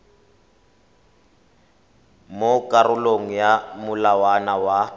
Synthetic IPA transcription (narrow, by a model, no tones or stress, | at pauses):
mokʼarʊloŋ̩jamʊlawanawa